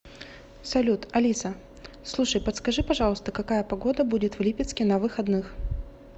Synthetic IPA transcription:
sɐlʲut̪ɐlʲisə | slˠuʂəjpət̪skɐʐɨpɐʐɑlˠəst̪əkɐkajəpɐɡo̞d̪əbudʲɪt̪vlʲipʲɪt̪skʲɪnɐvɨxɐd̪nɨx

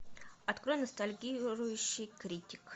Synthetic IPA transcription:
ɐt̪kɾo̞jnəst̪ɐlʲɡʲiɾʊjʊɕːɪjkɾʲitʲɪ̥k

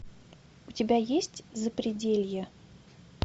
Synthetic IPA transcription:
ʊtʲɪbʲajesʲtʲzəpɾʲɪdʲelʲjə

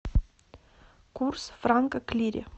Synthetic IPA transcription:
kursfraŋkəklʲiɾʲḛ

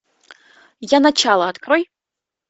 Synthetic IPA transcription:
janat͡ʃʰalˠɐːt̪kʰroj

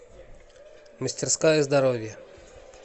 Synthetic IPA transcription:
məsʲtʲɪrskajəzd̪ɐɾovʲjə

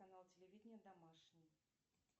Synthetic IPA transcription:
analˠtʲɪlʲɪvʲidʲɪnʲjəd̪amaʂnʲɪj

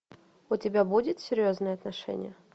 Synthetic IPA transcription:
ʊtʲɪbʲabudʲɪt̪sʲɪɾʲjoznɨjəɐt̪nɐʂɛ̰nʲɪ̰jə

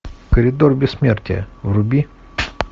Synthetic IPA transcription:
kəɾʲid̪o̞rbʲesmʲert̪ʲḛjə̰vrubʲi

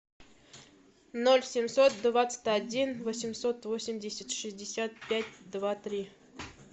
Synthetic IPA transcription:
nolʲsʲɪmsot̪̚d̪vat̪sə̥tʲadʲinvosʲɪmsot̪vosʲɪmʲdʲɪsʲɪt̪ʲʂɨzʲdʲɪsʲat̪̚pʲætʲd̪vat̪ɾʲi

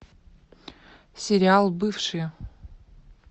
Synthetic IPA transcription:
sʲɪɾʲɪalˠbɨfʂɨj

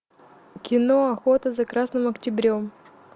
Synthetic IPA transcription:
kʲɪnoɐxot̪əzɐkɾasnɨmɐktʲɪbɾʲom

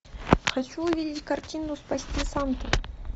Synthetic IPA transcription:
xɐt͡ɕuʊvʲidʲɪtʲkɐrtʲind̪ʊspɐsʲtʲisant̪ɨ

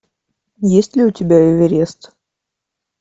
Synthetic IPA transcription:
jesʲtʲlʲɪʊtʲɪbʲæɪvʲɪɾʲest̪

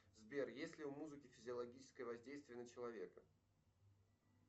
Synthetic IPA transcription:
zbʲerjesʲlʲɪʊmuzɨkʲɪfʲɪzʲɪɐlˠɐɡʲit͡ɕɪ̥skəjəvɐzʲdʲejst̪vʲɪjənət͡ɕɪlˠɐvʲe̞kə

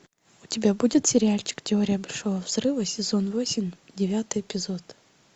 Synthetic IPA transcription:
ʊtʲɪbʲabudʲɪt̪sʲɪɾʲɪalʲt͡ɕɪ̥ktʲɪoɾʲɪjəbɐlʲʂovəvz̥rɨvəsʲɪzonvosʲɪmʲdʲɪvʲat̪ɨjɪpʲɪzot̪

